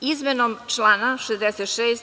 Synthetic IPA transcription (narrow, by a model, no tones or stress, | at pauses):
izmenomt͡ʃlanaʃezd̪eset̪ʃeːs